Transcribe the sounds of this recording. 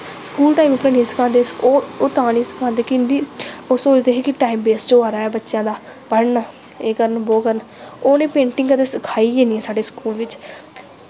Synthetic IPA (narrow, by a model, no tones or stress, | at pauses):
skuːlʈaːimʊpːɾeːniːsə̥kʰãːnd̪eːskoːoːt̪ãːniːsə̥kʰãːnd̪eːkɪnd̪iːoːsoːt͡ʃd̪eːɦeːkɪʈaːimbeːsd͡ʒoːaːɾaːɛːbətːʃjãːd̪aː | pəɽnaː | eːkəɾənboːkəɾən | oːnẽːpẽːɳʈɪ̃ŋɡət̪eːsəkʰaːiːɡeːniːɛːsaːɖeːskuːlʋɪt͡ʃ